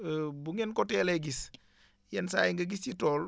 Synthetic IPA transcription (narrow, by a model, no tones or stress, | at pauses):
buŋɛnkɔtɛleɡis | jɐnsa̰jiŋɡɐɡisjitɔːl